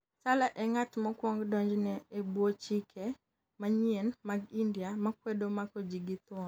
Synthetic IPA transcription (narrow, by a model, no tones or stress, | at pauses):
salaʔɛŋatmɔkwɔŋɡdɔɲd͡ʒnɛebwot͡ʃikʰɛ | maɲenmaɡindjamakwedomakɔd͡ʒiɡɪt̪ɔn